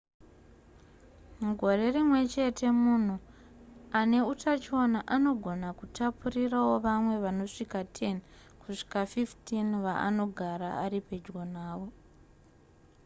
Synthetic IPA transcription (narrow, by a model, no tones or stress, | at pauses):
ɡʱo̞re̞rimwe̞t͡ʃe̞tʰe̞mun̤u | ane̞utʰat͡ʃo̞naʔano̞ɡʱo̞nakutʰapurirawo̞ʋamwe̞ʋano̞ʂikatʰe̞n | kuʂi̥kafiftinʋaa̰no̞ɡʱaɾa̰aɾipe̞d͡ʒɡo̞naːʋo̞